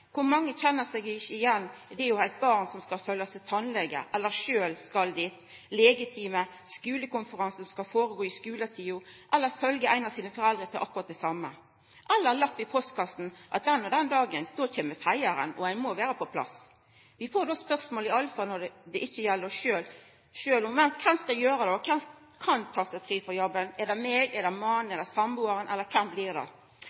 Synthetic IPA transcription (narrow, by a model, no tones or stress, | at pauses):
kʰʊɾmɑŋːəçɛnːəsɛɡɪɪjɛnːd̪ɛɛɾjʊæɪt̪̚bɑʁnsɔmskɑlfœljɑsɛt̪ʰɑnlɛɡːə̰ʔɛlːəɾʂøːlskɑld̪ɪt̪ | lɛːɡɪt̪ʰiːmə | skʉːləkʊnfəɾɑnsəsɔmskɑlfoːɾəɡoːɪskʉːlət̪ʰiːʊʔɛlːəɾfœlɡəæɪnɑsiːnəfɔɾɛld̪ɾət̪ʰɪlʔɑkːʊɾʁɑt̪̚d̪ɛsɑmːə | ʔɛlːəɾlɑpʋɪpʰɔsd̪kʰɑst̪n̩ʔɑ̰t̪̚d̪ɛnːɔd̪ɛnd̪ɑːɡənd̪ɔtʰeːməfæɪəɾə̰nɔ̰æɪmɔʋæːɾəpʰɔpʰlɑ̰s | ʋɪfoːɾd̪ɔspœʁsmoːlɪɑlfɑnɔdɛd̪ɛʔɪçːəjɛlːəɾɔʃøːl | ʃøːlʊmɛnkʰɛmskɑjøːɾəd̪ɛɔkʰɛm | kʰɑnt̪ʰɑːsæɪfɾiːfɔɾjɔbːənɛd̪ɛmeːɡɛd̪ɛmɑnnɛd̪ɛsɑmbuːɑɾənʔɛlːəkʰɛmblɪʁd̪ɛ̰